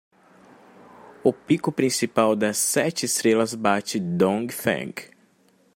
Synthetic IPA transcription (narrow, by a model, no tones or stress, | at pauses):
ʊpikʊpɾĩsipawd̪ɐsːɛt͡ʃɪst̪ɾelɐzbat͡ʃɪd̪õŋɡfɛ̰̃ŋk